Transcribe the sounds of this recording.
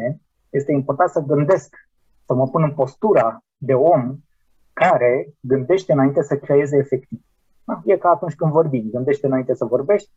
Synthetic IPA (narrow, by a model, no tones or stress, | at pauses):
e | je̞st̪e̞impo̞rt̪ant̪səɡɨnd̪e̞sk | səməpunɨmpo̞st̪uɾa | d̪e̞o̞m | kaɾe̞ɡɨnd̪e̞ʃt̪eɨnaint̪e̞səkɾeje̞zeːfe̞k̚t̪iv | aje̞kaːt̪unt͡ʃʲkɨnvo̞rbimɡɨnd̪e̞ʃt̪eɨnaint̪esəvo̞rbe̞ʃt̪ʲ